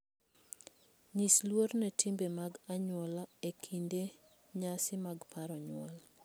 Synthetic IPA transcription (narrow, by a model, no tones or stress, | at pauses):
ɲislwornɛtʰimbemaɡaɲwɔlaekʰinde | ɲasɪmaɡpʰaɾɔɲwɔ̰l